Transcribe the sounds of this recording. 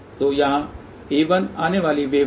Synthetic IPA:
t̪oːjãː | eːʋənaːneʋaːliʋeː

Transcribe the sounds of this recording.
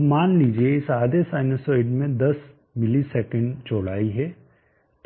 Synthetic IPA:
maːnliːd͡ʒieɪsaːd̪esaːɪnosoːɪɖmẽd̪ɐs | mɪlisɛkə̃ɳɖt͡ʃoːɽaːiɦɛ | t̪

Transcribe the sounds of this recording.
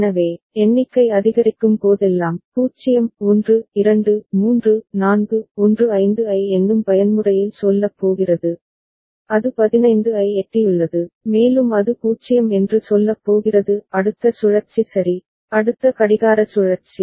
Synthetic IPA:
nɐʋeː | ɛɳːɪkːɐɪɐðɪɣɐɾɪkːɯmpoːðɛlːaːmkuːt͡ʃɪjɐmɔndrɯɪɾɐɳɖɯmuːndrɯnaːnɡɯɔndrɯɐɪnd̪ɯɐɪɛndɯmpɐjɐnmɯrɐjɪlsɔlːɐpːoːɣɪrɐðɯ | ɐðɯpɐðɪnɐɪnd̪ɯɐɪɛʈrɪjɯɭːɐðɯmeːlɯmɐðɯpuːt͡ʃːɪjɐmɛndrɯsɔlːɐpːoːɣɪrɐðɯɐɽɯt̪ːɐsʊɻɐɾt͡ʃisɐɾi | ɐɽɯt̪ːɐkɐɽɪɣaːɾɐsʊɻɐɾt͡ʃi

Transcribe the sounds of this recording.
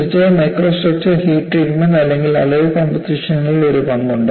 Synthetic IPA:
it͡ɕːɐmɐjkroːsoːpʈhiːʈriːʈmend̪ɐlːe̞ŋɡilɐ̰leukoːmpɐtiʂɐnːɐɭilo̞ɾupɐnːuɳɖɨ

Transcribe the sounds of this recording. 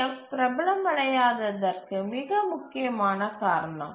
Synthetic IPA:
ɐpɪɾɐbɐlɐmɐɽɐjaːðɐðɐrkɯmɪɣɐmʊkːɪjɐmaːnɐkaːɾɐɳɐm

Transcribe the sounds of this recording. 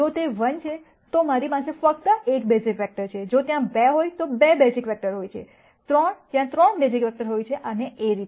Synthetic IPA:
d͡ʒot̪eʋənt͡ʃʰe | t̪omaɾipasefək̚t̪əek̚besikʋɛk̚ʈəɾt͡ʃʰed͡ʒot̪jãbeɦojt̪obebesikʋɛk̚ʈəɾɦojt͡ʃʰḛ | t̪ɾɔɳt̪jãt̪ɾəɳbes̬ikʋɛk̚ʈəɾɦojt͡ʃʰeʔəneeɾit̪e

